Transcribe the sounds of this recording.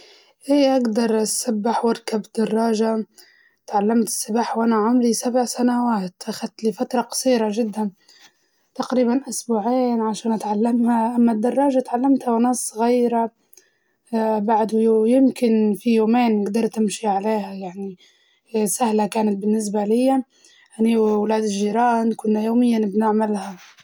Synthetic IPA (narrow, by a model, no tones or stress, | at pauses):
ʔiːʔaɡd̪ɑɾˤʔasabːɪħwɪɾkabd̪̥ɑrˤːɑːʒa | t̪ʕalːamt̪ɪ̥sːɪbaːħwʔanaʕʊmɾisabʕsanawaːt̪ʔaxad̪̚t̪lifat̪ɾˤɑqɑ̥sˤiːɾaʒɪd̪ːan | t̪aqɾiːbanʔʊsbuːʕeːnʕaʃaːnʔat̪ʕalːamhaʔamːad̪ːɑrˤːɑːʒat̪ʕalːamt̪hawnaːsˤːɣiːɾa | baʕd̪ujjɪmkɪnfijoːmeːnːɪɡd̪ɑɾˤt̪ɪmʃiʕaleːhajaʕni | sahlakaːnat̪̚bɪnːɪs̬balɪjːa | ʔaniwwlaːd̪ɪʒːiːɾɑːnkʊnːajoːmɪjːanɪbnaʕmalha